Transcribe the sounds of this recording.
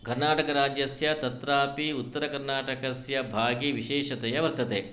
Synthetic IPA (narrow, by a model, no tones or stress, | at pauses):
kɐɾnaːʈɐkɐɾaːd͡ʒjɐsjɐt̪ɐt̪ɾaːpiut̪ːɐɾɐkɐɾnaːʈɐkɐsjɐbʱaːɡiʋiʃɛːʃɐt̪ɛjɐʋɐɾt̪ɐt̪eː